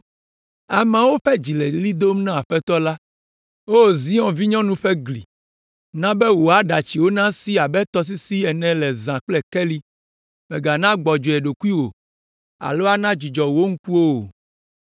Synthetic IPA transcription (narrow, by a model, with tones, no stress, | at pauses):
a˨mã˨wo˦ɸɛ˦d͡ʑi˨lɛ˨li˦d̪o˦m˦nã˦˨a˨ɸɛ˦t̪ɔ˦la˦ | wo˦˨zi˦ɔ̃˨vi˦ɲɔ̃˦nũ˦ɸɛ˦ɡlḭ˨ | nã˦bɛ˦wo˨a˨ɖa˨t͡ɕi˨wo˦nã˦si˦a˨bɛ˦t̪ɔ˦s̬i˦si˦ɛ˨nɛ̃˨lɛ˨zã˨k͡plɛ˦kɛ˦li˦ | mɛ̃˨ɡa˨nã˦ɡ͡bɔ˨d͡ʒo˨ɛ˨ɖo˨ku˦i˦wo˨ | a̰˨lo˦a˦nã˦d͡ʑi˨d͡ʒɔ˨wo˦ŋ̩˦ku˦o˦˨